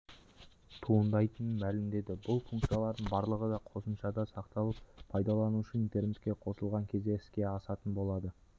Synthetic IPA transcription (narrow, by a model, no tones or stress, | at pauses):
t̪ʰuənd̪ɑjt̪ənənmælɪmd̪e̞d̪ɪbʊlˠfuŋkt̪sɨjɑlˠɑɾd̪əɴbɑɾlˠəʁəd̪ɑqʰo̞səmʃɑd̪ɑsɑqt̪ɑlˠəp̚ʰːɑjd̪ɑlˠɑnuʃəint̪e̞rne̞t̪̚kʲe̞qʰo̞səlˠʁɑŋkʲʰe̞zd̪e̞ɪ̥skʲe̞ɑsɑt̪ənbo̞lˠɑd̪ə